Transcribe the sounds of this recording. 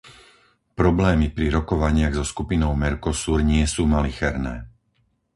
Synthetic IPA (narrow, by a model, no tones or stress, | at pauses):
pɾɔblɛːmipɾiɾɔkɔʋaɲɪaɣzɔskupinɔʊmɛɾkɔsuːɾɲɪɛsuːmalixɛɾnɛ̰ː